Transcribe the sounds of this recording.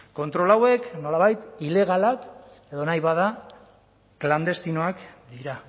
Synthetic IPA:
ko̞nt̪ɾo̞lawe̞kno̞laβajt̪ile̞ɣ̞alak | e̞ðo̞najβað̞a | kland̪e̞st̪ino̞akd̪iɾa

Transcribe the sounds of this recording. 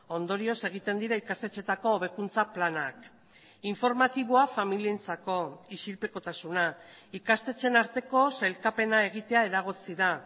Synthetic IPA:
o̞nd̪o̞ɾio̞se̞ɣ̞it̪e̞nd̪iɾaikast̪e̞t͡ʃe̞t̪ako̞ːβ̞e̞kunt͡saplanak | iɱfo̞ɾmat̪iβ̞oafamilient͡sako̞iʃilpe̞ko̞t̪asunaikast̪e̞t͡se̞naɾt̪e̞ko̞salkape̞nae̞ɣ̞it̪e̞ae̞ɾaɣ̞ot͡siða

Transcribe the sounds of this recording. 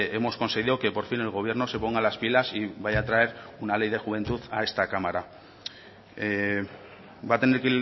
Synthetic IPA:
e̞mo̞sko̞nse̞ɣ̞iðo̞ke̞po̞ɾfine̞lɣ̞o̞βje̞ɾno̞se̞po̞ŋɡalaspilasiβajat̪ɾae̞ɾunale̞jðe̞xuβ̞e̞nt̪uθae̞st̪akamaɾa | e | bat̪e̞neɾke

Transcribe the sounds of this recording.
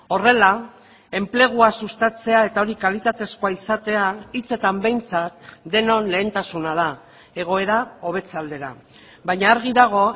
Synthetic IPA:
o̞re̞la | e̞mple̞ɣ̞uasust̪at͡se̞ae̞t̪ao̞ɾikalit̪at̪e̞sko̞aisat̪e̞ait͡se̞t̪ambe̞jnt͡sat̪̚d̪e̞no̞nle̞ːnt̪asunað̞a | e̞ɣ̞o̞e̞ɾao̞β̞e̞t͡sald̪e̞ɾa | βajɲaːɾɣiðaɣ̞o̞

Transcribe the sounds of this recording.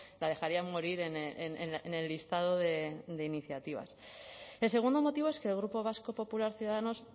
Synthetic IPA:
lað̞e̞xaɾiamoɾiɾe̞neeneene̞lːist̪að̞o̞ðe̞d̪e̞iniθjat̪iβ̞a̰s | e̞lse̞ɣund̪o̞mo̞t̪iβ̞o̞eskelɣ̞ɾupo̞βasko̞po̞pulaɾθjuðaðano̞s

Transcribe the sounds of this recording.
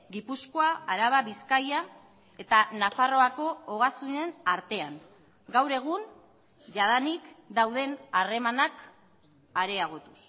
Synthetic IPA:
ɡipusko̞aaɾaβaβiskaja | e̞t̪anafaro̞ako̞oɣasunenaɾt̪e̞aŋ | ɡawɾe̞ɣ̞un | ʝaðanikd̪awðe̞nare̞manak | aɾe̞aɣ̞o̞t̪u̥s

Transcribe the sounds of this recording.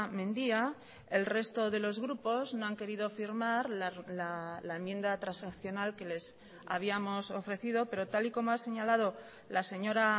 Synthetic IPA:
mẽ̞nd̪ia | e̞lre̞st̪o̞ðe̞lo̞zɣɾupo̞zno̞aŋke̞ɾiðo̞fiɾmaɾllalae̞mje̞nd̪at̪ɾansakθjo̞nalke̞le̞s | a̰β̞iamo̞so̞fɾe̞θiðo̞pe̞ɾo̞t̪aliko̞moase̞ɲalað̞o̞ | lase̞ɲo̞ɾa

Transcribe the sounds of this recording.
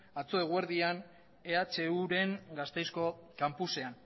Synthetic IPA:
at͡soeɣ̞weɾðian | e̞at͡ʃe̞uɾe̞ŋɡast̪e̞jsko̞kampuse̞an

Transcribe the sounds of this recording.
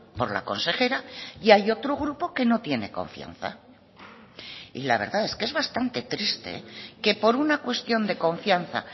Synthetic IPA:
po̞ɾla̰ko̞nse̞xe̞ɾajajo̞t̪ɾoɣ̞ɾupo̞ke̞no̞t̪je̞ne̞̰ko̞̰ɱfja̰n̟θa̰ | ḭlaβ̞e̞ɾðae̞skee̞zβast̪ant̪e̞t̪ɾist̪ḛke̞po̞ɾunakwe̞st̪jo̞nd̪e̞ko̞ɱfjanθa̰

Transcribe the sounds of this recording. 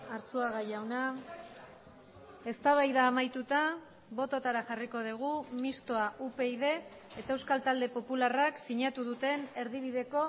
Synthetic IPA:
aɾsuaɣajawna | e̞st̪aβ̞ajðaːmajt̪ut̪a | βo̞t̪o̞t̪aɾaxariko̞ð̞iɣ̞umist̪o̞aʔupe̞iðe̞ː | t̪ae̞wskalt̪ald̪e̞po̞pularaksiɲat̪uðut̪e̞ne̞ɾðiβ̞iðe̞ko̞

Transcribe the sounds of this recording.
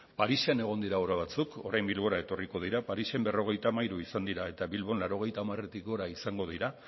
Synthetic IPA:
paɾisene̞ɣ̞o̞nd̪iɾaoɾaβ̞at͡suko̞ɾajmbilβo̞ɾae̞t̪o̞riko̞ð̞iɾapaɾise̞mbe̞ro̞ɣe̞jt̪amajɾuisand̪iɾae̞t̪aβilβ̞o̞nlaɾo̞ɣ̞e̞jt̪aːmare̞t̪iko̞ɾaisaŋɡo̞ðiɾa

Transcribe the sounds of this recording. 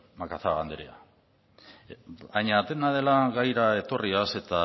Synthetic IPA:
makaθaɣand̪eɾea̰ | bajɲaːt̪enað̞e̞laɣajɾae̞t̪o̞riase̞t̪a

